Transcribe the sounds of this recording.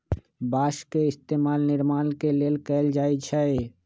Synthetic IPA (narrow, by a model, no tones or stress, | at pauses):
baʃkeɪst̪emalnɪɾmaːnkelelkɛɪld͡ʒaːet͡ʃʰɛe